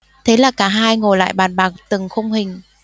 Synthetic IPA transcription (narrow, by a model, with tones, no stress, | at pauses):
t̪ʰe˨˦laː˨˩kaː˨˩˦ɦaː˧jŋo˨˩jla̰ː˧˨jɓaː˨˩nɓaː˨˩k̚t̪ɨ˨˩ŋxə˧wŋ͡mhï˨˩ŋ̟